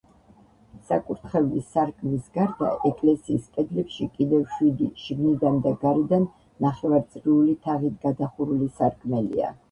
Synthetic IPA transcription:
sakʼuɾt̪ʰχɛvlisaɾkʼmisɡaɾd̪a̰ʔɛkʼlɛsiːspʼɛd̪lɛpʃikʼid̪ɛvʃwid̪iʃɡnid̪and̪aɡaɾid̪anː | aχɛvaɾt̪sʼɾiulit̪ʰaʁit̪ʰɡad̪aχuɾulisaɾkʼʰmɛlḭa̰

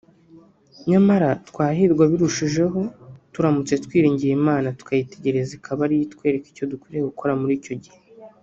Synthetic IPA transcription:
ɲamaɾatkwaːɦiɾɡwaβiɾuʃiʒe̞ɦo̞tuɾamut͡se̞tkwiːɾiːɲɟijemaːnatu̥kʰajite̞ɟe̞ɾe̞zikʰaβaɾijitkwe̞ːɾe̞ki̥co̞dukwiːɾeɡukʰo̞ɾamuɾiːco̞ɟihe

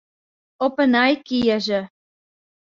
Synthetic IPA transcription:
opə̆nɑjkijĕʒĕ

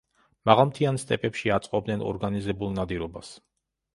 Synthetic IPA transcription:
maʁalˠmt̪ʰianst̪ʼɛpʼɛpʃiat̪sʼqʼɔb̚d̪nɛnɔ̰ɾɡanizɛbulˠnad̪iɾɔbas

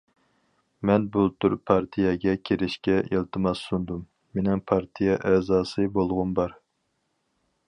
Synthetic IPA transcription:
mɛnbulˠt̪ʰuɾpʰɑɾt̪ʰijɛɡʲɛkʲʰeɾɪʃkʲɛʔilˠt̪ʰɨmɑsːund̪umː | enɪŋpʰɑɾt̪ʰijɛʔɛzɑːsɨbolˠʁʊnbɑɾ

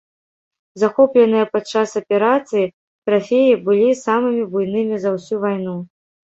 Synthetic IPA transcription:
zaxɔplʲɛnɨjɐpat͡ʂːasɐpʲɛɾat̪sɨji | t̪ɾafʲejibɨlʲisamɨmʲibujn̪ɨmʲizɐwsʲuvajnu

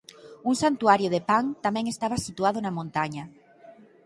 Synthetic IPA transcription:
uŋsant̪uaɾjoðepaŋt̪amɛ̃ŋest̪aβasit̪uaðonamõnt̪aɲa

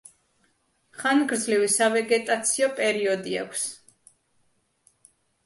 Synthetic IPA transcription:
χanɡɾd̪zlivisavɛɡɛt̪ʼat̪sʰiɔpʼɛɾiɔd̪ia̰kʷʰs

